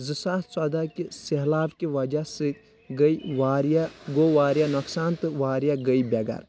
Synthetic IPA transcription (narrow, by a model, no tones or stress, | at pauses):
zɨsaːt̪sɐd̪akisiɦlaːbkiʋɐd͡ʒasɨ | ɡɐiʋaːɾjaɡoʋaːɾjanɐksaːnt̪ɨʋaːɾjaɡəibɐɡɐ̰ɾ